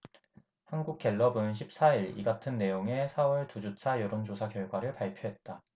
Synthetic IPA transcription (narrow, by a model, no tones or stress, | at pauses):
hanɡuk̚k͈e̞ɭːʌbɯnɕʰip̚s͈aiɾḭɡatʰɯnːe̞joŋe̞sʰawʌɭtud͡ʑut͡ɕʰajʌɾond͡ʑosʰakjʌɭɡwaɾɯɭpaɭpʰjoɦe̞t̚t͈a